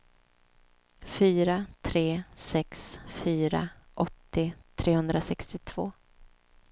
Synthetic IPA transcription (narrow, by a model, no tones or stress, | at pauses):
fyːɾat̪ʰɾeːsɛksfyːɾa̰ʔɔt̪ːɪt̪ʰɾeːhɵnd̪ɾasɛkst̪ɪt̪ʰv̥o̰ː